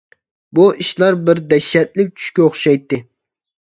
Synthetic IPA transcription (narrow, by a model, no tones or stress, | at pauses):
buʔiʃlˠɑɾbɪɾd̪ɛʃːɛt̪̚lɪp̚t͡ʃʰy̥ʃkʲɛoχʃɑjt̪ːɪ